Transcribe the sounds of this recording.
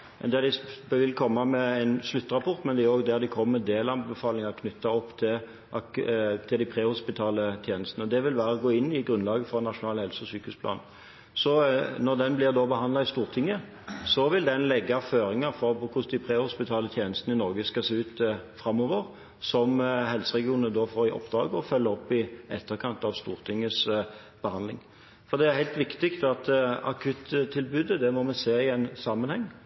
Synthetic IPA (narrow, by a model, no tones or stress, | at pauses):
mɛnd̪ɛd̪ɪʋɪlkʰɔmːɑmɛæɪnslʉt̪ːəʁɑpʰɔʁt̪mɛnd̪ɛæɾoːɡd̪æʁd̪ɪkʰɔmmɛnd̪eːlɑnbəfɑːlɪŋɑkʰnʉt̪ːɑɔpːt̪ʰɪl | ʔɑt̪ʰɪld̪æɪpʰɾeːhʊspɪt̪ʰɑːlət̪ʰjeːnəst̪ənəɔd̪ɛʋɪlʋæːɾəɡoːɪnːɪɡɾʁʉnlɑːɡəfɔʁnɑʂʊnɑːlhɛlsəɔsyːkəhʉːsplɑ̰ːn | sɔnɔd̪ɛnblɪʁd̪oːbəɦɑnd̪lɑɪst̪uːʁt̪ʰɪŋːə | sɔʋɪld̪ɛnlɛɡːəæføːɾɪŋəɾfɔɾpɔkʰʊsd̪ɪpʰʁeːhʊspɪt̪ʰɑːlət̪ʰjeːnəst̪nəɪnɔɾɡəskɑseːʉːt̪fɾɑmːɔʋəʁ | sɔmhɛlsəʁɛɡɪuːnənəd̪ofoːʁɪʔɔ̰pːd̪ɾɑːɡɔfœlːəɔpːɪɛt̪ːəɾkʰɑnt̪ɑʋst̪uːɾt̪ʰɪŋːəs | b̥əhɑnlɪ̰ŋ | fɔɾd̪ɛæɾhæɪlt̪ʋɪkt̪ɪkt̪ɑt̪ɑ̰kʰʉt̪t̪ʰːɪlbʉːd̪əd̪ɛmɔmɛseːɪɛnsɑmənhɛŋː